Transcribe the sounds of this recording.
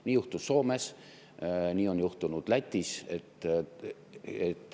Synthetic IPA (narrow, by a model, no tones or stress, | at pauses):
niːjuht̪usːo̞ːmes | niːo̞njuht̪unud̪̥læt̪ʲːˑiset̪ː | et̪ːˑ